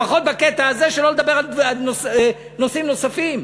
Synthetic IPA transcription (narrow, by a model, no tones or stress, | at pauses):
aχo̞t̪baket̪aːzeʃelo̞led̪abe̞ʁalalnos | no̞simno̞safim